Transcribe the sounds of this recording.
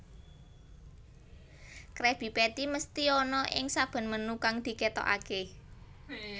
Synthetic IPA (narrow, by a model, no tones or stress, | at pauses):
kɾɛb̥i̤pɛt̪iməst̪iɔnɔʔɪ̰ŋsab̥ə̤nmənukaŋd̪̥i̤ket̪ɔ̰ʔa̰ke